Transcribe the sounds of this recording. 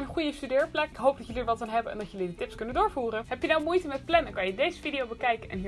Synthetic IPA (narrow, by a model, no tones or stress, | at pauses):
nənχujəstydɪːɹplɛkɪkɦowp̚dɑcjəliːɹʋɑtɑnɦɛbənɛ̰ndɑtjəlidətɪpskɵnəndʊːɹvuːrəɦɛpjənawmujtəmɛt̚plɛndɑnŋkɑnjədejzəfidiowbəkɛjkənʔɛ̰nɦiː